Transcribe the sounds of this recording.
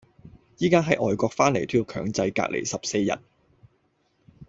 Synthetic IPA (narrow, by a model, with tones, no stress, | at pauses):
jiː˥kaː˥ɦɐ˨˥jʔɔː˨jkʷɔː˧k̚faː˥nle˨˩jt̪ʰyː˥˧kʰœː˨˥ŋt͡sɐ˧jka̰ː˧˥k̚lḛ˨˩jsɐ˨p̚se˧jːɐ̰˨˩t̚